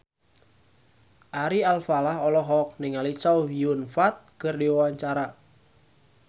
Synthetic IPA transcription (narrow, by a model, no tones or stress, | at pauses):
ʔaɾialfalahɔlɔɦɔk̚nɪŋalit͡ʃawiunfat̪̚kərdiwawaɲt͡ʃaɾa